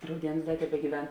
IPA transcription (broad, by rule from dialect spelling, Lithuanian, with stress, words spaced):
rɐʊˈdʲiɛnʊs ˈdɐ tʲɛbʲɛɡʲiːˈʋʲɛn